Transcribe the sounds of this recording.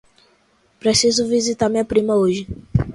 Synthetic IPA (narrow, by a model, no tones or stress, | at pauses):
pɾesizʊvizit̪aɾmĩɲɐpɾĩmɐoʒɪ